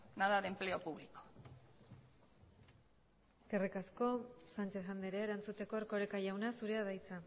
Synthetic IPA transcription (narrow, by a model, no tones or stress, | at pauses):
naðaɾemple̞o̞puβliko̥ | kerikasko̞sant͡ʃe̞θand̪eɾeːɾant͡sut̪e̞ko̞eɾko̞ɾekaʝawnasuɾe̞aðajt͡sa